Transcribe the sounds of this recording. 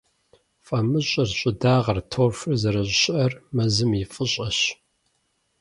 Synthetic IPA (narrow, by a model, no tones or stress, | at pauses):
fʼɐmɨɕʼɐrɕʼɪdaːʁɐrtʰoːrfɨrzɐɾɐɕʼɕɪʔɐrmɐzɨmifʼɨɕʼɐɕ